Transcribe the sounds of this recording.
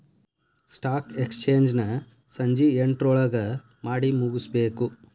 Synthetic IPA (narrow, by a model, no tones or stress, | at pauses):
sʈaːkekst͡ʃe̞ːɲd͡ʒnɐ | sɐɲd͡ʒieɳʈɾɔɭɐɡɐ | maːɽimuɡusbe̞ːku